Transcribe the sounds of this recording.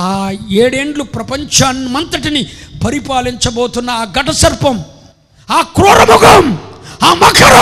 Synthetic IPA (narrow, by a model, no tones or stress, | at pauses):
aːeːɽeːɳɖlupɾɐpɐɲt͡ʃɐnmɐnt̪ɐʈinipɐɾipaːliɲt͡ʃɐboːt̪unːɐaːɡɐʈɐsɐɾpɐm | aːkɾoːɾɐmuɡɐmaːmɐkʰɐɾɐ